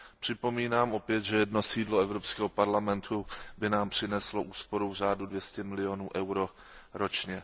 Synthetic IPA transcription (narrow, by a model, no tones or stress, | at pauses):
pr̝̥ɪpo̞miːnaːmʔo̞pjɛt̪ʒɛjɛdno̞siːdloɛvɾopskɛːɦopaɾlamɛnt̪ʰubɪnaːmpr̥ɪnɛslo̞ʔuːspo̞ɾuvr̝aːdudvjɛscɛmɪlɪonuːʔɛwɾo | ɾot͡ʃɲɛ